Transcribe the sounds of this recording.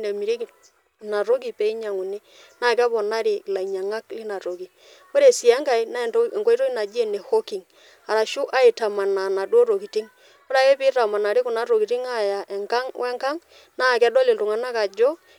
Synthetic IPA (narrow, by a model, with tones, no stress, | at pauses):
ne˨mi˨ɾi˦ki˦˨ | na˨ɾo˦k̬i˨pe˨i˦ɲa˨ŋu˨ni˦ | na˦˨kɛ˦bɔ˨na˦ɾi˨la˨i˨ɲa˨ŋa˦klɪ˦na˨ɾo˨ki˨ | ko˦ɾe˨si˨ɛ˦ŋka˦˨i˦na˦˨˦ŋko˦i˦to˦i˦na˨d͡ʒi˦e˨ne˨ho˦ki˨ŋ | a˨ɾa˨ʃu˦ʔa˦i˨ta˨ma˨na˨na˨dwo˦ɾo˨ki˨ti˦ŋ | ko˦ɾa˨ke˦pɪ˦ra˨ma˨na˨ɾi˦ku˨na˦ɾo˨ki˨ti˦ŋa˦ja˨ʔɛ˨ŋka˦ŋwʔɛ˦ŋka˦ŋ | na˦˨kɛ˦dɔ˦lɪ˨ltʊ˨ŋa˨na˦ka˨d͡ʒɔ˦